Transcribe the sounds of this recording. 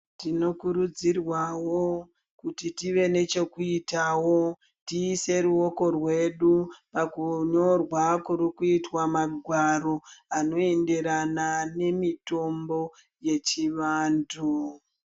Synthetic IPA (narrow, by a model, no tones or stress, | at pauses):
tino̞kuɾud͡zirwawo | kutitiʋe̞ne̞t͡ʃo̞kuitawo̞ | tiːse̞ɾuwo̞ko̞rwe̞ɗupakuɲo̞rwakuɾikuitwamaɡʱwaɾo̞ano̞e̞nde̞ɾanane̞mito̞mbo̞ | je̞t͡ʃiʋaːndʰu